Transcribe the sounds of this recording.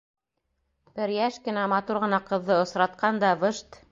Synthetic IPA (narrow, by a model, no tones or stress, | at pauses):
b̥ɘɾjæʃkɘ̆næmɑt̪uɾʁɤ̆nɑqɤ̆ðːɤŏsɾɑt̪̚qɑnd̪ɑvɤʃt̪